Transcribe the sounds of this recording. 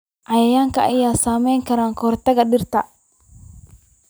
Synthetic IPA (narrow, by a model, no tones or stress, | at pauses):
ʔɐjɐjaːŋkɐʔɐjaːsaːmɛjŋkɐɾaːŋkʰɔrt̪ɐɣɐɗɪrt̪ɐ